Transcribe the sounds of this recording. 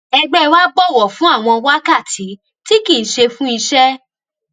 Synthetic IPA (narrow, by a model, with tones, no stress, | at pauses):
ɛ˧ɡ͡bɛ˦˧wa˦ɡ͡bɔ˦˨wɔ˨fũ˨˦a˦˨w̃ɔ̃˧wa˦ka˦˨tʰi˨˦ | ti˦ki˦˨n̩˨ʃe˧fũ˦i˧ʃɛ˦